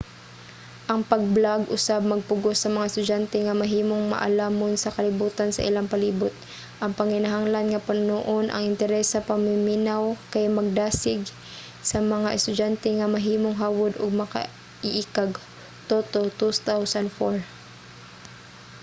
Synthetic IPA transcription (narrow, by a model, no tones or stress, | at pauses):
ʔɐŋpɐɡ̚blaɡʔʊsab̚mɐɡ̚pʊɡosːɐmɐŋaɛst̪ʊd͡ʒant̪ɛŋɐmɐɦiːmoŋma̰ʔa̰laːmonsɐkɐlɪbuːt̪ansɐ̰ʔɪ̰laŋpɐliːbʊt̪̚ | ʔɐŋpɐŋɪnaɦaŋlanŋɐpannoʔonʔɐ̰ŋɪnt̪ɛɾɛsːɐpaŋmɪminawkajmɐɡ̚d̪aːsɪɡ | sɐmɐŋaʔɛst̪ʊd͡ʒant̪ɛŋɐmɐɦiːmoŋɦaːwʊd̪ʊ̰ɡ̚mɐka̰ | ɪʔikaɡ | t̪oːt̪ot̪ust̪awsanfoɹ